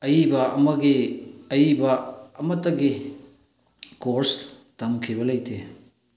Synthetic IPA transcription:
ɐjibɐɐmɐɡiɐjibɐːmɐtːɐɡi | koɾstɐmkʰibɐlɐjtʰe

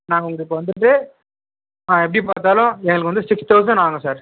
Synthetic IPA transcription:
naːŋɡɐʊŋɡɐɭɯkːʋɐnd̪ɯʈːɯ | aɛpːɐɽipaːɾt̪aːlʊ̃ɛŋɡɐɭɯkːʋɐnd̪ɯsɪkst̪ɐʊs̬ɐnaːŋɡɐsaːɾ

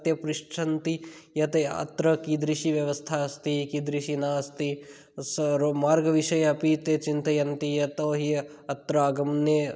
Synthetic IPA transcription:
t̪jɐpɾɪʂʈʰɐnt̪ijɐt̪eɐ̰t̪ɾɐkid̪ɾiʃiʋjɐʋɐst̪ʰaɐst̪ikid̪ɾiʃinɐɐst̪i | somaːɾɡɐʋiʃɐjɐɐpit̪et͡ʃint̪ɐjɐnt̪ijɐt̪oɦi | ɐt̪ɾɐɐɡɐmne

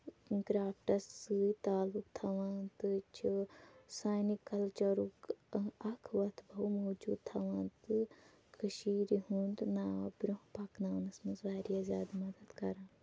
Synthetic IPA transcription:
ɡɾaːp̚ʈɐsɨit̪aːlukt̪ʰɐʋãt̪ɨt͡ʃisaːjnikɐlt͡ʃɐɾukɐkʰʋɐt̪ʰbʱɐwmoːd͡ʒuːd̪̚t̪ʰɐʋɐ̃nt̪ɨ | kʰɨʃiːɾiɦuɳɖnaːʋɐbɾuɦpɐknaːnɐsmɐzʋaːɾijɐzʲaːd̪mɐd̪ɐd̪kɐɾãː

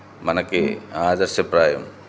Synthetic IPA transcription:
mɐnɐkːɨaːd̪ɐɾsjɐpɾaːjɐm

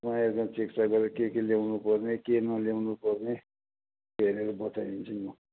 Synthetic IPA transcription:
mãerkãt͡sekt͡saɡʌɾekekelewnupʌrnekenʌljewnupʌrne | bʱeɾeɾʌbʌtajint͡sʰʌjo

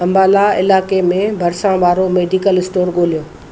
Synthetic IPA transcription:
ɐ̃mbaːlaɪ̰laːkemẽbʱɐɾsãʋaːɾomeːɖikəlɪsʈoːɾɠoːlijoː

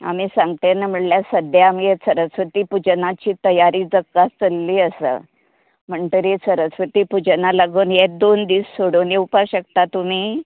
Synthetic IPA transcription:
a̰miːsãŋɡt̪enəm̤əɽljasəd̪ʱjaːmjesəɾəsʋət̪iːpud͡ʑnat͡ɕiːt̪əjaɾiːd͡zəkːast͡səlːiːəsə̰ | m̤əɳʈ̪əɾesəɾəsʋət̪iːpud͡ʑnalaɡuːnɦed̪ond̪iːssoɽoniupaɕəkt̪at̪um̤iː

